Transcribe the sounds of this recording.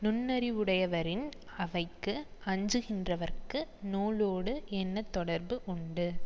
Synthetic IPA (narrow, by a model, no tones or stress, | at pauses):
nʊnːɐɾiʊɽɐjɐʋɐɾɪn | ɐʋɐɪkːɯɐɲd͡ʒɯɣɪndrɐʋɐɾkɯnoːloːɽɯʔɛnːɐt̪ːɔɽɐɾbɯʔʊɳɖɯ